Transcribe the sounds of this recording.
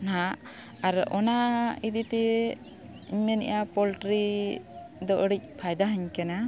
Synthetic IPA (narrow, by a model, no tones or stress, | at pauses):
naʔ | aɾɔnaid̪it̪ɛ | iɲmɛnɛ̰ʔapɔlʈɾi | d̪ɔʔɽic̚pʰajd̪aɦəɲkɛna